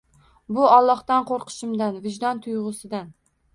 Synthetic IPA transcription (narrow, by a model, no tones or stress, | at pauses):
bʊɒlˠːɒht̪anqʰoɾqʰɨ̥ʃɪmd̪anvɪd͡ʒd̪ɒnt̪ʰʊjʁʊsɪd̪an